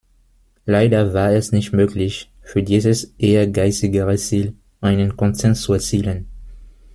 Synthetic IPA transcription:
laɪdɐvaːɐɛsnɪçtmøːklɪç | fyːɐdiːzəsʔeːɐɡaɪsɪɡəʁət͡siːl | ʔaɪnənkʰɔnzɛɐnst͡suɛɐt͡siːlən

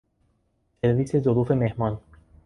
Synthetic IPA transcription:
seɾvisezoɾufemehmɑn

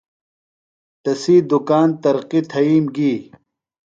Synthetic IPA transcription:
t̪ɐsiːd̪ukaːnt̪ɐɾqit̪ʰɐiːmɡiː

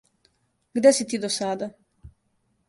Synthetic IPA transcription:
ɡd̪esit̪iːd̪osad̪a

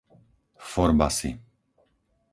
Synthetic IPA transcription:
fɔɾba̰sḭ

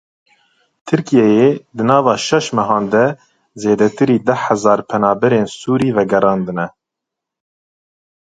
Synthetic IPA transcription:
t̪ʰɨɾkijɛjed̪ɨnɑːvɑːʃɛʃmɛɦɑːnd̪ɛ | zeːd̪ɛt̪ɨɾiːd̪ɛhæzɑːɾpʰɛnɑːbɛɾeːnsuːɾiːvɛɡɛɾɑːnd̪ɨnɛ

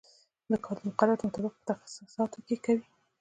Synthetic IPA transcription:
d̪əkʰɑlnuqalaɾd̪mʊt̪abɪq̚pə̥t̪axḁsusɑt̪okekawi

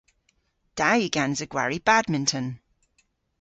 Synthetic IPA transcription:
d̥ajiɡãnzəɡ̥wa̰ɹib̥admɪ̃ntʰə̃n

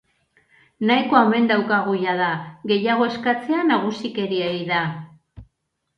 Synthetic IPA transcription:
najko̞ame̞nd̪awkaɣ̞ujaðaɣe̞jaɣ̞o̞e̞skat͡se̞anaɣ̞usike̞ɾiejða

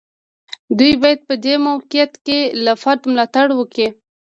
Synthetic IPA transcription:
d̪ujbɑjad̪̚pəd̪emawqɪjat̪kelafaɾd̪mlɑt̪aɽwəki

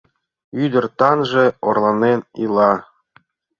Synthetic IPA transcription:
yd̪ɘ̆rt̪ɑnʐĕorlˠɑnenilˠɑ

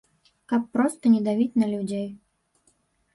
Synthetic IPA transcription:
kapːɾɔst̪ɐnʲɛd̪avʲit͡sʲnɐlʲud͡zʲej

